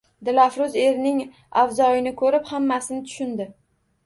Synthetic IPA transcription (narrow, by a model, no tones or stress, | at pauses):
d̪ɪlafɾʊze̞ɾnɪŋ | awzɒjɪnɪkʰɵɾɪphamːasɪnɪt̪ʰʊ̥ʃɪnd̪ɪ